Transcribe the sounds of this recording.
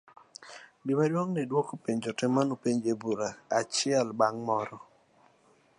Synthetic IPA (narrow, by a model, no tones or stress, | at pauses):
bimadwɔŋnidwɔkopeɲd͡ʒɔtɛmːanopeɲd͡ʒebuɾaːt͡ʃɪɛlbaŋmɔɾɔ